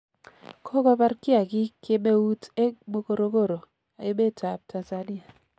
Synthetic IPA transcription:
kʰɔ˦kɔ˦pa˦rkɪ˦a˨kɪ˦kɪ˦me˦u˦te˦kmo˦ko˦ɾo˦ko˦˨ɾo˨ | a̰˨jo˦me˦˨ta˨p̚tʰa˨nza˦ni˦a˨

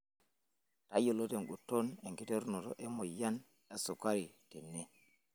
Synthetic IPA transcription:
ta˦jɔ˨lɔ˦tɛ˨nɡutːɔnɛ˨ŋki˨tɛ˦ɾnɔ˨tɔ̰ʔɛ˦mɔ˨ja˦n | a˦sɔ˨ka˦ɾi˨tɛ˨nːɛ˦

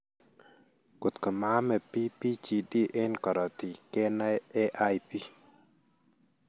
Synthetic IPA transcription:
ku˨t̪kɔ˨ma˦mɛ˨pi˦pi˦t͡ʃi˨di˦ʔe˦nkɔ˨ɾɔ˨t̪i˨ke˦nɛ˦e˦ʔa˦jpi˦

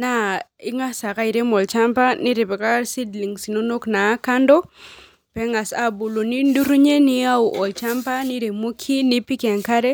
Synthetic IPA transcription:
na˦˨ɪ˦ŋa˦sa˨ka˦i˨ɾe˦mɔ˨lt͡ʃa˦mpa˦nɪ˦ɾe˨pɛ˨ka˦si˦dli˨ŋsi˨no˦no˦kna˨˦ka˦ndɔ˦ | pɛ˦ŋa˨sa˦bu˨lo˨ni˦ndu˦ɾu˦ɲe˦nɪ˦a˦u˨ʔɔ˨lt͡ʃa˦mpa˦nɪ˦ɾe˨mo˦kʰi˦nɪ˦pi˦kɛ˨ŋka˦ɾe˦

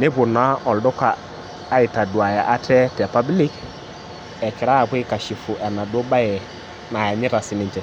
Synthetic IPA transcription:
ne˦bʊ˨na˦ɔ˨ldʊ˦kaː˨˦ | i˨ta˨du˨a˨ja˨ʔa˦tʰɛ˦tɛ˨pa˦bli˦k | ɛ˨kɪ˨ɾa˦a˨kʷe˦ka˨ʃi˨fu˨ʔɛ˨na˨do˦ba˦jɛ˨ | na˨ja˨ɲɪ˦ɾa˨sɪ˨nɪ˦nt͡ʃɛ˨

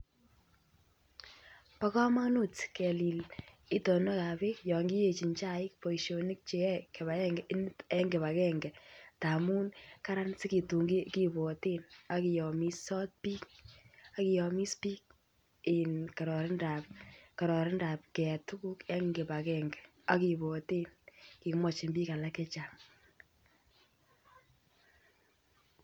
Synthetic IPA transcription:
pa˦kɔ˦ma˦nu˦tkɛ˨li˨l | i˦tɔ˨nɔ˦ka˨be˦kjɔ˨ŋɡi˦je˨t͡ʃi˨ɲt͡ʃa˦ɪ˦kpɔ˨iʃo˨nɪ˦k̚t͡ʃe˦ɛ˦ke˨βa˨kɛ˦ŋɡɛ˨ʔɪ˦ntɛ˦ŋɡɪ˨βa˨kɛ˦ŋɡɛ˨ta˨muː˦nka˦ɾa˦nsɪ˦ki˨tu˨ŋɡi˦ki˦bɔ˨te˦na˦ki˨jɔ˨mi˦sɔ˦t̚piː˦k̚a˦ki˨jɔ˨mi˦spiː˦k̚ | ɪ˨nka˨ɾɔ˨ɾɪ˦nda˨p̚ka˨ɾɔ˨ɾɪ˦nda˨p̚kɛ˨tu˦ku˦kɛ˦ŋɡɪ˨ba˨kɛ˦ŋɡɛ˨ | a˦ki˨bɔ˨te˦nki˨kmɔ˨t͡ʃɪ˨nbiː˦ka˨la˦kɛ˦t͡ʃa˨ŋ

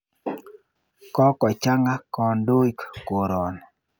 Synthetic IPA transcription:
kɔ˦kɔ˨t͡ʃa˦ŋɡa˦kɔ˨ndo˦i˦kko˨ɾɔ˨n

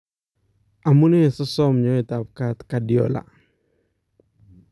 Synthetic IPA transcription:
ʔa˨mu˦nɛ˦˨sɔ˦sɔ˦mɲɔ˦i˨ta˨p̚ka˦t̪kadiɔ̰la̰˨

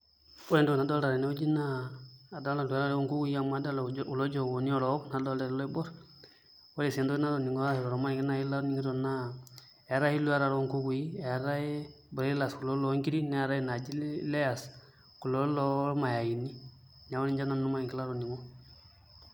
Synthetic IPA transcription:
ɔ˦ɾe˨ndu˦˨na˨dɔ˦lda˨ɾe˨ne˦u˦d͡ʒi˦naː˦˨da˦la˨lu˨a˦ɾa˦ɾɛ˦o˦ŋku˦ɡu˦i˦a˨ma˦da˦la˨u˨lo˦d͡ʒɔ˦˨wo˨ni˦ɔ˨lɔ˦kna˨dɔ˦lda˨ɾɛ˨lɔ˦i˦bɔ˦ɾ | wo˦ɾi˨se˨ndo˦i˦na˦ɾo˨ni˨ŋɡɔ˦a˦i˨ɾɔ˨ɾɔ˨ma˦˨ki˦na˨ji˦la˦ɾni˦ŋɡi˦dɔ˨na˦ | ɛ˨˦ɾa˦ji˦lu˦a˦ɾa˨ɾo˦ŋku˦ku˨ji˦e˨a˨ɾa˦e˦ | bɾe˦la˨sku˨lo˦lɔ˨˦ŋki˦ɾi˦nɛ˦a˨ɾa˦ji˦na˨d͡ʒi˦le˦ja˨s | ku˨lo˦lɔ˦ma˨ja˨ji˨ni˦ | ɲa˨wo˦ni˦d͡ʒa˦na˦u˦ma˦i˨ŋki˦la˦ɾo˨ni˨ŋɡɔ˦

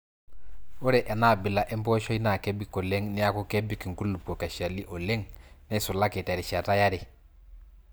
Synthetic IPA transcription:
u˦ɾe˨ʔe˨na˦˨bi˨la˨ʔe˦mpo˦ʃo˦i˦na˨ke˦bi˦ko˨le˦ŋni˦ja˦ku˦ke˦bi˦ki˨ŋku˦lːu˨po˨ka˨ʃa˨li˦ʔo˨le˦ŋne˦su˨la˦ki˨te˨ɾi˨ʃa˨ta˦ja˦ɾi˨

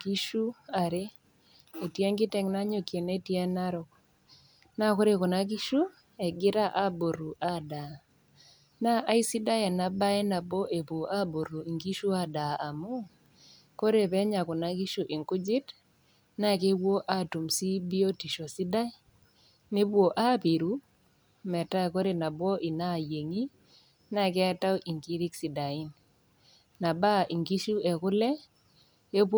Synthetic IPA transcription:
ɡi˦ʃu˦a˨ɾe˦ | e˨tje˦ŋɡɪ˦tɛ˨ŋna˦ɲo˨kje˨ne˦tjɛ˦na˦ɾɔ˨k | na˦˨ko˦ɾe˦˨kɔ˨na˦k̬i˦ʃu˦ | ɛ˨ɡɪ˦ɾa˦ʔa˦bo˨ɾu˨ʔa˦da˨ | na˦ʔːi˦si˦da˦ja˨na˦ba˦ɛ˦na˨bo˦ʔe˨bu˨a˦bo˨ɾu˨i˨ŋɡi˦ʃu˦a˦˨da˨ʔa˨mo˦ | ko˦ɾe˦˨pɛ˦ɲa˨kʊ˨na˨˦ɡi˦ʃu˨ʔi˨ŋkʊ˦d͡ʒɪ˦t | na˦˨ke˦wo˦ʔa˦˨tu˨msi˦bi˦o˦ti˨ʃo˨si˦da˦ | ne˦bwo˨ʔa˦pi˨ɾu˦ | mɛ˨ta˦˨ko˦ɾe˨na˨bwɔ˦ʔɪ˨na˦˨je˨ŋi˦ | na˦˨kɛ˦a˦ta˦wʔi˨ŋki˦ɾi˦ksi˨da˨i˦n | na˨ba˦˨ʔi˨ŋɡi˦ʃu˦e˨kʊ˦lɛ˦ | e˦p

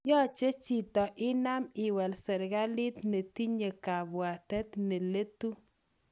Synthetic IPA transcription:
jɔ˦t͡ʃe˦t͡ʃi˨t̪ɔ˨ʔɪ˦na˦mɪ˨wɛ˨lsɛ˨ɾɡa˦lɪ˦t̪ne˨ti˦ɲe˨ka˨bwa˨tɛ˦t̪ne˨le˦tu˦

